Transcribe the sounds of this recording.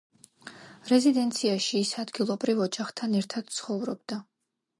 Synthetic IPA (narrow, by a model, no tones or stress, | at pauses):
ɾɛzid̪ɛnt̪sʰiaʃiːsad̪ɡilˠɔbɾivɔd͡ʒaχt̪ʰanɛɾt̪ʰad̪̥̚t̪sʰχɔvɾɔbd̪a